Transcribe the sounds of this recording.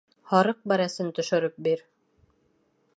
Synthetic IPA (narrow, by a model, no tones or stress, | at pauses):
hɒɾɤq̚bæɾæsɘnt̪ɵ̆ʃɵ̆ɾɘp̚biɾ